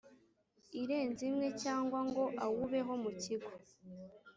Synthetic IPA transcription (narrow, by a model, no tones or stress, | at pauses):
iɾe̞ːnzimŋe̞caːŋɡwaŋɡo̞ʔawuβe̞ɦo̞muciɡo